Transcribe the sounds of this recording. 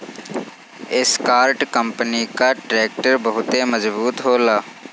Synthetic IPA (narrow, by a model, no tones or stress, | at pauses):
ɪskaːɾʈkəmpəniːkaːʈɾɛːk̚ʈəɾbəɦʊt̪eːməzbuːt̪ɦoːlaː